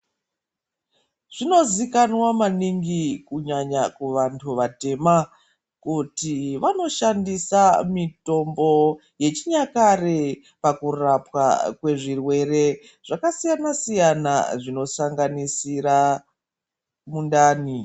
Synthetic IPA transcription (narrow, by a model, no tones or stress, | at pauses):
ʐ̥ino̞zikanwamaniŋɡikuɲaɲakuʋantʰuʋate̞ma | kutiʋano̞ʃandisamito̞mbo̞ | je̞t͡ʃiɲakare | pakurapwa̰kwe̞ʐirwe̞re̞ | ʐ̥akasijanasijana̰ʐino̞saŋɡanisira | mundaːni